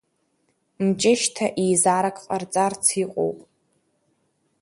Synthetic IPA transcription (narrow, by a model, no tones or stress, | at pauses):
mt͡ʃʼɪʃtʰaʔijzaɾakʰʼqʼart͡sʼart͡sʰiqʷʼo̰wpʼ